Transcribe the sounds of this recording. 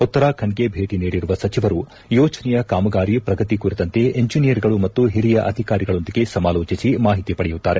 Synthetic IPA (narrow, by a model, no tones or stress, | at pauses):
ut̪ːɐɾaːkʰɐɳɡe̞bʱe̞ːʈiniːɽiɾuʋɐsɐt͡ʃiʋɐɾu | jɔːt͡ʃɐnɛjɐkaːmɐɡaːɾipɾɐɡɐt̪ikuɾit̪ɐnt̪e̞eɲd͡ʒinijɐɾɡɐɭumɐt̪ːuɦiɾijɐʔɐ̰d̪ʱikaːɾiɡɐɭo̞nd̪iɡe̞sɐmaːloːt͡ʃisimaːɦit̪ipɐɽɛjut̪ːaːɾe̞